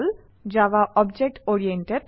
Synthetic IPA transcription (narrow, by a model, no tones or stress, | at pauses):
l | d͡ʑawaʔɔbd͡ʑek̚ʈoɾieɳʈeɖ